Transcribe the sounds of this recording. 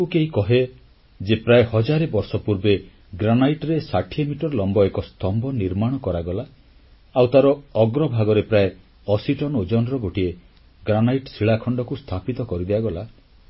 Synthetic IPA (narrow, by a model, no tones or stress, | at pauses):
ukeɦikɔɦe | d͡ʒepɾaehɔd͡ʒaɾebɔɾsɔpuɾbe | ɡɾanajʈɾesaʈʰiemiʈɔɾɔlɔmbɔekɔst̪ɔmbɔniɾmaɽ̃ɔkɔɾaɡɔla | awt̪aɾɔːɡɾɔbʱaɡɔɾepɾae | ɔsiʈɔnod͡ʒɔnɾɔɡoʈie | ɡɾanajʈɔsiɭakʰɔɳɖɔkust̪ʰapit̪ɔkɔɾid̪eaɡɔla